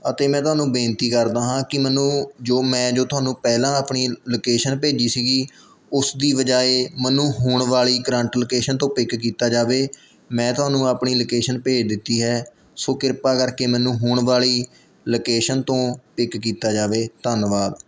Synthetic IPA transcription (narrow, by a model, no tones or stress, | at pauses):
ət̪eːmɛ̃ːt̪ʊɦaːnũːbẽːnt̪iːkəɾd̪aːɦãːkɪmɛːnũːd͡ʒoːmɛ̃ːd͡ʒoːt̪ʊɦaːnũːpɛːlãːaːpɳiːloːkeːʃənpeːd͡ʒiːsiːɡiː | ʊsd̪iːʋəd͡ʒaːeːmɛːnũːɦuːɳʋaːɭiːkəɾə̃ɳʈlokeːʃənt̪õːpɪkkiːt̪aːd͡ʒaːʋeː | mɛ̃ːt̪ʊɦaːnũːaːpɳiːloːkeːʃənpeːd͡ʒd̪ɪt̪ːiːɦɛː | soːkɪɾpaːkəɾkeːmɛ̃ːnũːɦuːɳʋaːɭiː | loːkeːʃənt̪õːpɪkːiːt̪aːd͡ʒaːʋeːt̪ənʋaːd̪